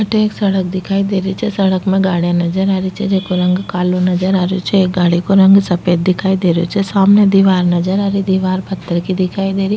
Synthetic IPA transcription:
ɐʈeːksɐɽək̚d̪ɪkʰaːid̪eːɾit͡ʃʰɛsɐɽəkmẽɡaːɽijãnɐd͡ʒəɾaːɾit͡ʃʰɛd͡ʒeːkoɾɐ̃ŋɡkaːlonɐd͡ʒəɾaːɾjot͡ʃʰɛeːk̚ɡaːɽikoɾɐ̃ŋɡsɐpeːd̪ːɪkʰaːid̪eːɾjot͡ʃʰɛsaːmned̪iːʋaːɾnɐd͡ʒəɾaːɾid̪iːʋaːɾbʱɐt̪ːəɾkid̪ɪkʰaːid̪eːɾi

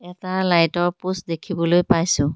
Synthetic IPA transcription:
ɛtalajtɔɹpusdekʰibɔlojpajsʊ̃

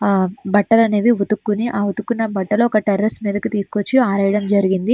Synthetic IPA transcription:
bɐʈːɐlɐneːʋiʋut̪ukːuniʔaːʋut̪ukːunːɐbɐʈːɐloːɔkɐʈɐɾɐsmiːd̪ɐkit̪iːsu̥kot͡ʃːiaːɾɐjɐɽɐmd͡ʒɐɾiɡind̪i

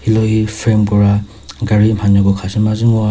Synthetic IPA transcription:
hilɔhipʰɾemkɔɹa | ɡaɹimhanɔɡɔkʰasimaziŋɔa

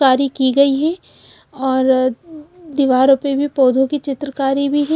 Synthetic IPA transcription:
aːɾikiɡɐiɦɛː | ɔːɾ | d̪ɪʋaːɾõpebʱipoːd̪ʱõkit͡ʃɪt̪ɾəkaːɾibʱiɦɛ

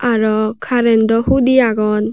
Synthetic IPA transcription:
aɾɔkʰaɾɛnd̪ɔhud̪iaɡɔn

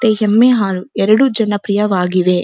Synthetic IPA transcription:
t̪eːɦemːeːɦaːluɛɾɐɽud͡ʒɐnɐpɾijɐʋaːɡiʋeː

